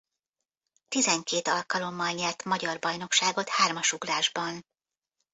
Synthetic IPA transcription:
t̪izɛŋkeːt̪ɒlkɒlo̞mːɒlɲɛrt̪mɒɟɒrbɒjn̪o̞kʃaːɡo̞t̪haːrmɒʃuɡlaːʒbɒn

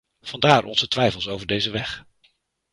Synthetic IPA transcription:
v̥ɑndaːɹʔɔ̰nzətʋɛjfəlˠsowvəɹdejzəʋɛχ

